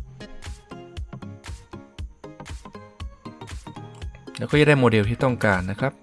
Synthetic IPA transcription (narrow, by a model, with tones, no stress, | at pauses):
lɛː˦˥wkɔː˥˩a˧˥˩da˥˩jmoː˧˩de˧t̪i˥˩t̪ɔ˥˩ŋkaː˧nːa˦˥kʰɾa˦˥p̚